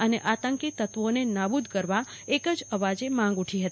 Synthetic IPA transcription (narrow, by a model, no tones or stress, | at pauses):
əneʔat̪əŋkit̪ət̪ʋonenabud̪ʱkəɾʋa | ekəd͡ʒəʋad͡ʒemãŋɡuʈʰiɦət̪i